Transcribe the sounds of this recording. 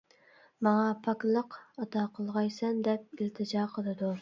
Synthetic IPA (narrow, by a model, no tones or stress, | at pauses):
mɑŋɑpʰɑkʲlˠəqɑt̪ʰɑqʰəlˠʁɑjsɛnd̪ɛp̚ilt̪ʰɨd͡ʒɑːqʰəlˠɨd̪u